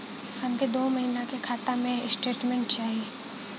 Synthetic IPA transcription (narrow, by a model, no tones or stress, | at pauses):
hɐmked̪oːmɐɦiːnakekʰaːt̪amẽsʈeːʈmẽɳʈt͡ʃaːɦie